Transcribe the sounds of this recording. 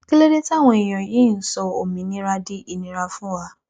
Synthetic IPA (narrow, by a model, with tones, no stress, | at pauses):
ki˦le˦ɾe˦ti˦a˦˨w̃ɔ̃˧i˨j̃ɔ̃˨ji˨˦˨n̩˦sɔ˧o˨mĩ˨˦nĩ˦ɾa˧di˦ʔi˧nĩ˦ɾa˧fũ˦wa˦˧